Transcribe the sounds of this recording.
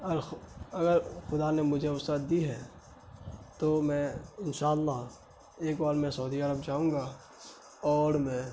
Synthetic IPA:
ɐɾɐɡəɾxʊd̪anemʊd͡ʒʱeʊsət̪̚d̪iɦɛ | t̪omɛ̃ːɪnʃaːəlːɑɦ | eːkbaːlmɛ̃sɐud̪iəɾəbd͡ʒaːɦũːɡa | ɔːɾmɛ̃

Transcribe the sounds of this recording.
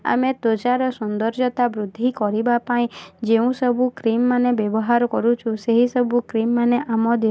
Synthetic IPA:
a̰met̪ot͡ʃaɾɔsund̪ɔɾd͡ʒɔt̪abɾud̪ʱːikɔɾibapaĩd͡ʒeũsɔbʱukɾimːanebjebɔɦaɾɔkɔɾut͡ʃʰũseɦisɔbʱukɾimːaneʔamɔd̪

